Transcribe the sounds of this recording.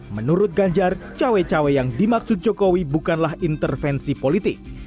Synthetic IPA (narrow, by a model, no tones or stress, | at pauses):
mənuɾʊt̪̚ɡaɲd͡ʒart͡ʃawɛt͡ʃawɛjaŋdimaksʊt̪̚d͡ʒɔkowibukanlaɦint̪ərfɛnsipolit̪ɪk̚